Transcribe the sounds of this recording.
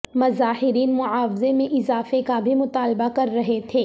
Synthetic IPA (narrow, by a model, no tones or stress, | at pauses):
mɐzaːɦɪɾiːnmʊʕaːwɪzemẽʔɪzaːfekabʱimʊt̪aːlbakɐɾːɐɦet̪ʰeː